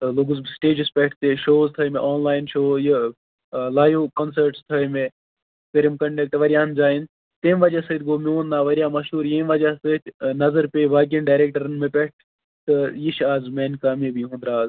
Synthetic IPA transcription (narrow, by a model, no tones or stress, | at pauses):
loːɡuzbsʈeːd͡ʒɪspɛʈʰt̪eʃoːzt̪ʰɐmẽʔoːnlaːɪnʃoːji | laːjoːkɐnsɐɾʈst̪ʰɐme | kɐɾimkɐɳɖɐk̚ʈʋɐɾʲijãːnd͡ʒaːin | t̪eːmʋɐd͡ʒasɨt̪ʰʲɡoːmioːnd̪aːʋɐɾjaːmɐʃɦuːɾjeːmʋɐd͡ʒasət̪ʲʰnɐzəɾpeːʋaːɡɐnɖaːɾeːk̚ʈɐɾɐnmẽpɛʈ̚ʰ | t̪ɨjiʃaːzmeːnkaːmibiɦũːnd̪ɾaːz